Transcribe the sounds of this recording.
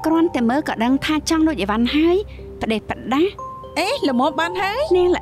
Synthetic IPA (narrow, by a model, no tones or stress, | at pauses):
krŏənt̪ɛməːkɑːɗəŋt̪ʰaːt͡ɕɑŋloəc̚ʔəʋanɦaəj | pə̆ɗehpə̆ɗah | ʔeːləmɔːmɓaːnɦaəjnɛlə